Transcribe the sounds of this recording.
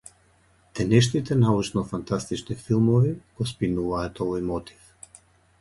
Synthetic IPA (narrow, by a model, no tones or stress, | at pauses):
t̪ɛnɛʃnit̪ɛnaut͡ʃnɔfant̪ast̪it͡ʃnifilˠmɔviɡ̥ɔspinuvaːt̪ɔvɔjmɔt̪ʰi̥f